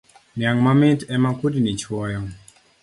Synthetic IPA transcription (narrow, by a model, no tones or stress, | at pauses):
njaŋmamɪtɛmakudinit͡ʃwɔjɔ